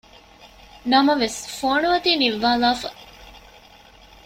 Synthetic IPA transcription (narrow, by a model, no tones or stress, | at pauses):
nɐmɐʋesfoːnuʋɐt̪iːniʋːaːlaːfɐ